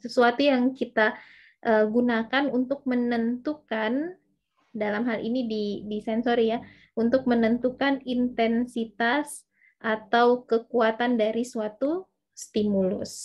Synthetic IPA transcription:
səsuat̪ujaŋkit̪a | ʔəɡunakanunt̪ʊk̚mənənt̪ukan | dalamɦalḭnididisɛnsorja | unt̪ʊk̚mənənt̪ukanint̪ɛnsit̪as | ʔat̪awkəkuat̪andaɾisuat̪u | st̪imulʊ̰s

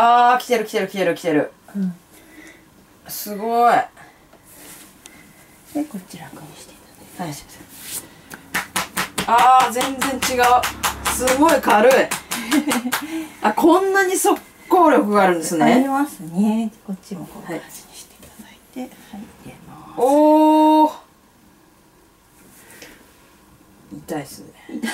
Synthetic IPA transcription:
aːkʲi̥t̪e̞ɾɯ̟kʲi̥t̪e̞ɾɯ̟kʲi̥t̪eɾɯ̟kʲi̥t̪e̞ɾɯ̟ | sɨɡo̞i | ekot͡ɕiɾakɯɲiɕi̥t̪e̥t̪ḁaaase | aːzẽ̞nd͡zẽ̞ɲ̟t͡ɕiɡaɯsɨɡo̞ikʰaɾɯi | akʰõ̞nːaɲ̟iso̞kːo̞ːɾʲo̞kɯ̟ɡaːɾɯ̃nd̪sɨneɾimasnkot͡ɕiaohaḁii̥t̪e̥k̪aait̪et̪emao | it̪aisɨ

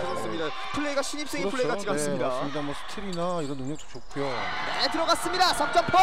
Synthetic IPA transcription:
as͈ɯmɲida | pʰuɭːeiɡaɕʰiɲip̚s͈eŋiʌuːeiɡat͡ɕiɡas͈ɯɲidasɯmɲidamʌsʰɯ̥tʰiɾinaiɾʌnːoŋɲʌk̚t͈o̥t͡ɕok͈ʰujo | netɯɾʌɣas͈ɯmɲidasʰʌk̚t͡ɕ͈ʌpʰʌ

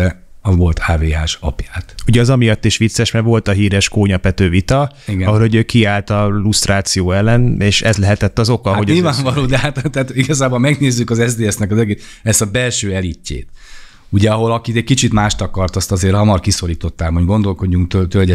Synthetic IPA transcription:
ɛ | ʋo̞lt̪haːveːɦaːʃɒ̰pjaːt̪uɟɛɒzɒmijɒt̪ːiʃʋit̪sːɛʃmɛʋo̞lt̪ɒɦiːɾɛʃkoːɲɒpɛt̪øːvit̪ɒiɡɛɒɦolho̞ɟøːkiaːlt̪ɒlust̪raːt̪sijoːɛlːɛneːʃɛzlɛɦɛt̪ɛt̪ːɒzo̞kɒɦo̞ɟilvaːɱvɒloːd̪ɛɦat̪t̪ːt̪iɡɒzaːbo̞lmɛɡneːzːykɒzɛzd̪eːɛsnɛkɒzɛɡe | ɛst̪ɒbɛlʃøːɛlicːḛːt̪ | uɟɛɒɦo̞lɒkit̪ɛc̚kit͡ʃit̪maːʃt̪ɒkɒrt̪ɒst̪ɒzeːɾhɒmɒrkiso̞ɾiːt̪o̞t̪ːaːmɦoɟɡo̞nd̪o̞lko̞ɟːuŋkt̪øt̪ølɟɛ

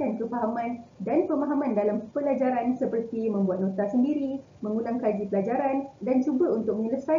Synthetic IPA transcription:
ankəfaɦamãndanpəmãɦamãndalampəlad͡ʒaɾansəpərt̪imə̃mbuat̪̚nõt̪asəndiɾi | mə̃ŋulaŋkad͡ʒipəlad͡ʒaɾandant͡ʃubaunt̪ʊk̚məniləsa

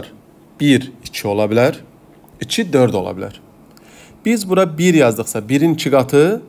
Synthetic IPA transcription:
ɾ | b̥iɾit͡ʃʰio̞lˠɑbilʲæɾ | it͡ʃʰid̪øɾd̪o̞lˠɑ̰bilʲæ̰ɾ̥ | b̥izbuɾabiɾjɑzd̪ɯχsɑbiɾint͡ʃʰɯɡɑt̪ʰɯ

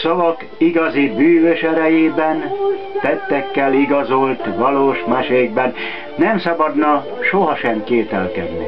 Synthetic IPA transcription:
sɒvɒk | iɡɒzibyːʋøʃɛɾɛjeːbɛnt̪ɛt̪ːɛkːɛliɡɒzo̞lt̪ʋɒloːʃmaːʃeːɡ̚bɛnː | ɛmsɒbɒd̪nɒ | ʃoɦɒʃɛmkeːt̪ɛlkɛ̰d̪nḭ

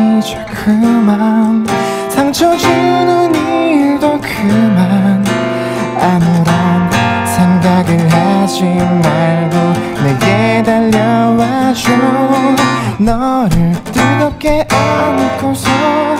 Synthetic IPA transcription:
d͡ʑo̥kʰɯman | sʰaŋt͡ɕʰʌd͡ʑunɯniɭdokʰɯman | amuɾʌn | sʰeŋɡaɡɯɭɦad͡ʑinmaɭɡo | neɡedaʎːʌwad͡ʑo | nʌɾɯɭt̪͈ɯɾʌp̚k͈eʔʌnɯk͈osʰʌ

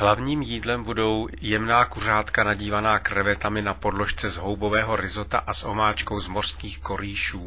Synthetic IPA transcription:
ɦlavɲiːmjiːdlɛmbudo̞wjɛmnaːkur̝aːt̪kanaɟiːvanaːkɾɛvɛt̪amɪnapo̞dlo̞ʃt͡sɛzɦo̞wbo̞vɛːɦo̞ɾɪzo̞t̪a̰ʔasʔo̞̰maːt͡ʃko̞wzmor̥skiːxko̞ɾiːʃuː

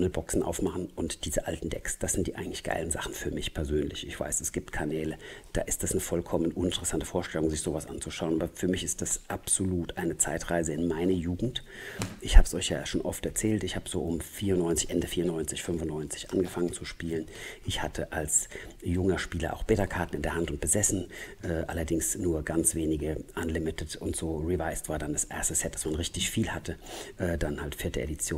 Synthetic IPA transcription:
nəbɔksn̩ʔa̰ʊfmaχn̩ʊntd̥iːzəʔa̰ltn̩d̥ɛ̰ksd̥asz̥ɪntd̥iːʔaɪɡŋ̩tlɪçɡ̥a̰ɪlən̩za̰χn̩fyːɐmɪçpʰɛɐzøːnlɪçɪçv̥a̰ɪsɛsɡ̥iːp̚tkʰanɛːləd̥a̰ːʔɪstd̥asnəfɔlkʰɔmənʔʊnɪntəʁɛsantəfoːɐʃtɛlʊŋzɪçz̥oːvasʔa̰nt͡suʃaʊnʔaːbɐfyːɐmɪçɪst̚d̥asʔapz̥oluːtʔaɪnət͡saɪtʁaɪzəɪnmaɪnɐjuːɡŋ̩tʔɪçhaːbə̥sʔɔʏçja̰ːʃoːnʔɔ̰ftɛɐt͡sɛːltɪçhaːbəz̥oːʔʊmfiːɐʁʊnɔʏnt͡sɪçʔɛndəfiːɐʊnːɔʏnt͡sɪçfʏnfʊntnɔʏnt͡sɪ̥çʔa̰nɡəfaŋənt͡suʃpiːlənʔɪçhatʰəʔalsjʊŋɐʃpiːlɐ̰ʔa̰ʊxb̥eːtɐkʰaɐtn̩ɪndeːɐɦantʊnt̚b̥əzɛsn̩ʔɛːʔa̰lɐdɪŋsnuːɐɡ̥ant͡sv̥eːnɪɡəʔanlɪmɪtʰətʊntz̥oːʁivaɪstv̥aːɐdandasʔḛɐstəsɛt̚d̥ḁsmanʁɪçtɪçfiːlhatʰəʔɛːd̥anhaltfɪɐtəʔedit͡sjoː

